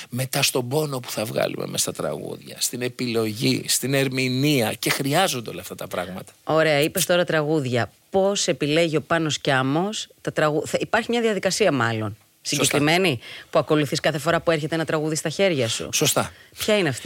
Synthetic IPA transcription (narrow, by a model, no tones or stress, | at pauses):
me̞t̪ɐst̪o̞bo̞no̞pu̥θɐvɣɐ̰lṵmḛmest̪ɐt̪ɾɐ̰ɣṵðʝɐ̰st̪ine̞pilo̞ʝḭst̪ine̞ɾminiɐce̞xɾiɐzond̪o̞lɐːft̪ɐt̪ɐpɾɐ̰ɣmɐt̪ɐ̥o̞ɾe̞ɐipe̞st̪o̞ɾɐt̪ɾɐɣuðʝɐ | po̞se̞pile̞ʝio̞pɐno̞scɐmo̞st̪ɐt̪ɾɐɣuθɐipɐɾçimɲɐðiɐðikɐsiɐmɐlo̞n | siɟɟe̞kɾime̞nipuɐko̞luθiskɐθefo̞ɾɐpue̞ɾçe̞t̪e̞nɐt̪ɾɐɣuðist̪ɐçe̞ɾʝɐsṵsost̪ɐpçɐineɐft̪i